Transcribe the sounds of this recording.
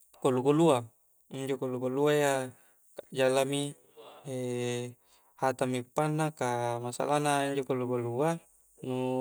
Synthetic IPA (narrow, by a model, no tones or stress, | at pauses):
kolukolua | iɲd͡ʒokoluɡoluaja | kad͡ʒalami | e | hat̪amipːanːakamasa̰lanaiɲd͡ʒokoluɡolua | nu